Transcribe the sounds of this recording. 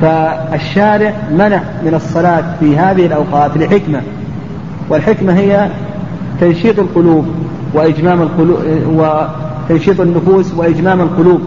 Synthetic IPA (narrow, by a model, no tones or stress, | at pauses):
faʔaʃːaːɾɪʕmanaʕmɪnɑsˤːɑlɑːt̪fiɦaːðɪhɪlʔawqɑːt̪lɪħɪkma | wɪlħɪkmaɦɪjːa | t̪anʃiːt̪ˤɑlqʊluːb̚ | wɪʔɪd͡ʒmaːmalqʊwɪ | t̪anʃiːt̪ˤanːʊfuːswɪʔɪd͡ʒmaːmalqʊluːb̚